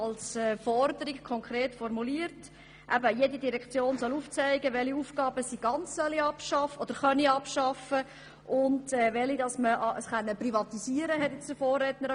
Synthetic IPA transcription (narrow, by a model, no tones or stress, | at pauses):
ɑlsɛːfɔrd̪əɾikkʰɔŋkɾeːtfɔɾmuliːəɾt | ʔæbəjedidiɾɛkt͡sjoːnsɔluːft͡sæɪɡəʋɛliufɡ̥ɑːbəsiɡ̥ɑnt͡ssœliɑpʃɑfɔd̥̪əɾχœniɑpʃɑfə | ʔʊndɛʋɛlidɑsməʔəsχɛnːəprivɑt̪isiəɾəɦɛtjɛt͡sd̥əfoːrːɛtnəɾ